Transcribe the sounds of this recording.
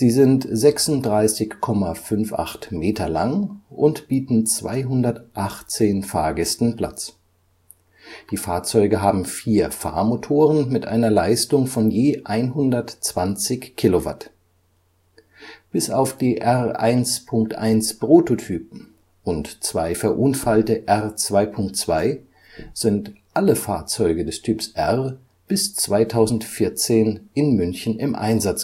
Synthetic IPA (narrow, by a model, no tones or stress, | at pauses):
z̥iːzɪntzɛksʊnt̚d̥ʁaɪsɪçkʰɔmafʏnfʔa̰χtmeːtɐla̰ŋʔʊntb̥iːtn̩t͡sv̥a̰ɪɦʊndɐtʔaχt͡seːnfaːɐɡɛstn̩pʰl̥a̰t͡s | d̥iːfaːɐt͡sɔʏɡəɦaːbm̩fiːɐfa̰ːɐmotʰoːʁ̞ənmɪtʔa̰ɪnɐlaɪstʊŋfɔnjeːʔaɪnɦʊndɐtt͡sv̥ant͡sɪçkʰːilova̰t | b̥ɪsaʊfd̥iːʔɛʁʔa̰ɪnspʰʊŋk̚tʔa̰ɪnspʁ̥ototʰyːpm̩ | ʔʊntt͡sv̥aɪfɛɐʔʊnfaltəʔɛʁt͡sv̥aɪpʰʊŋk̚tt͡sv̥aɪ | z̥ɪntʔaləfaːɐt͡sɔʏɡədɛstʰyːpsʔɛʁ | b̥ɪst͡sv̥aɪtʰaʊzn̩tfɪɐt͡seːnɪnmʏnçn̩ɪmʔa̰ɪnzat͡s